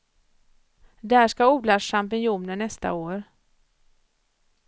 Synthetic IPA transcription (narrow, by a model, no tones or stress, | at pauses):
d̪æːʂkauːlaʂampɪnjuːnəɳɛst̪a̰oːɾ